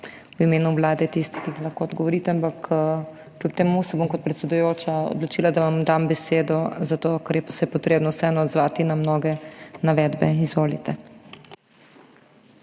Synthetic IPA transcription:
wimeːnuʋlaːd̪ɛt̪ist̪i̥kiixlɐxkoːɔd̪ɡɔʋɔɾiːt̪ɛampakː | lʲup̚t̪ɛmusɛbomkɔt̪̚pɾɛt̪sɛd̪ujoːt͡ʃaɔ̰d̪lɔt͡ʃiːlad̪aʋamd̪ambɛseːd̪ɔzat̪okaɾjɛpsɛjɛpɔt̪ɾeːbnɔwsɛɛnɔɔd̪zʋaːt̪inamnoːɡɛnaʋɛd̪bɛizʋoːlit̪ɛ

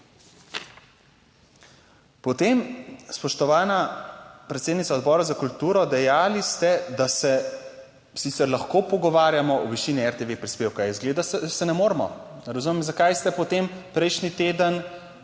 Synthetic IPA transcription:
pɔt̪emspɔʃt̪ɔʋaːnapɾɛt̪sed̪nitsaɔd̪bɔːɾazakult̪uːɾɔd̪ɛjaːlist̪ɛd̪asɛ | sit̪sɛɾlaxkoːpɔɡɔʋaːɾjamɔɔʋiʃiniɛɾt̪eʋepɾispeːwkaizɡleːd̪asɛnɛmoːɾmɔ | ɾɐzumɛmzakajst̪ɛpɔt̪eːmpɾɛjʃnit̪eːd̪ən

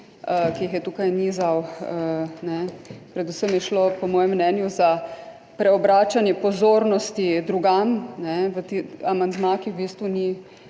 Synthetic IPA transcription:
əkiixjɛt̪ukajnizawənɛpɾɛd̪usəmjɛʃlopɔmɔːjɛmːnɛːnjuza | pɾɛɔbɾaːt͡ʃanjɛpɔzoːɾnɔst̪id̪ɾuɡamnɛʋət̪iamand̪mãkixbiːst̪ʋuni

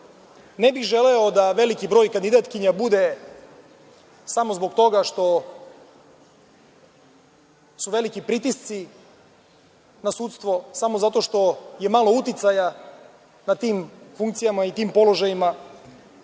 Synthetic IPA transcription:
nebixʒe̞leo̞d̪aʋe̞likibɾo̞ːjkand̪id̪at̪kiɲabud̪e̞ | samozbo̞ɡt̪o̞ɡaʃt̪o̞ | suʋe̞likipɾit̪ist̪si | nasuːt̪st̪ʋo̞samo̞zat̪o̞ʃt̪o̞je̞maːlo̞ut̪it̪saja | nat̪iːmfuŋk̚t̪sijamait̪iːmpo̞lo̞ʒajima

